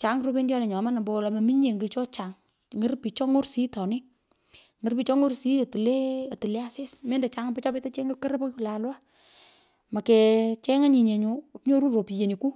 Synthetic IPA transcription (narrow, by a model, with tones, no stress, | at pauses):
t͡ʃa˨˦ŋɾo˦pe˦ndjɔ˦ne˨ɲɔ˨˦ma˦na˨mbɔ˨la˨mɐ˨mi˦ɲe˨ŋɡe˨t͡ʃɔ˦t͡ʃa˨ŋ | ŋə˦rpi˨t͡ʃɔ˦ŋo˦rsi˦tɔ˨nɪ˦ | ŋɨ˦ɾpi˨˦t͡ʃɔ˦ŋo˦rsi˦˨tle˦a˨ti˨le˦a˦se˦smeː˦nde˨t͡ʃa˦ŋ˦pɪ˦t͡ʃɔ˦pe˦ta˦t͡ʃe˦ŋɡe˦kə˦ɾe˦po˦kla˨lwa˦ | ma˨kɛ˨t͡ʃɛ˦ŋa˦ɲi˨ɲe˨ɲu˨tɲo˦ɾu˦ɾo˨pi˨je˨ni˨ku˦